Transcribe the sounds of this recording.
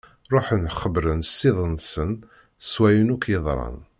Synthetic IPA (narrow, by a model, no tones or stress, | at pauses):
ɾˤoħnχəbɾənsːɪðˤənsən | swæjənukjəðˤɾˤɑ̰n